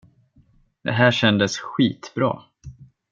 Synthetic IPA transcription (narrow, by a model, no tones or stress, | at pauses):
d̪̥ɛ̰ɦæːʂɛnd̪əsɧiːt̪bɾɑ̰ː